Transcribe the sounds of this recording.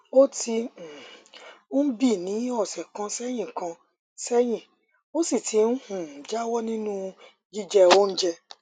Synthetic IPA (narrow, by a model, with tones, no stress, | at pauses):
o˦tʰi˧˨o˦m̩˦bi˦˨nĩ˨˦ɔ˦˨sɛ˨kã˧sɛ˦j̃ĩ˦˨kã˧ | sɛ˦j̃ĩ˦˨ | o˦si˦˨tʰi˨˦n̩˦hũ˦˨d͡ʒa˦wɔ˦nĩ˦nũ˦ | d͡ʒi˦d͡ʒɛ˦wo˦n̩˦d͡ʒɛ˧